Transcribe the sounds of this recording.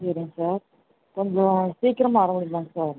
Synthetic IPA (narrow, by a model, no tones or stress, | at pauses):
sɐɾɪŋɐsaːɾ | kɔɲd͡ʒõsiːkɾɐmaːɾɐmʊɽɪnd̪ãːŋɐsaːɾ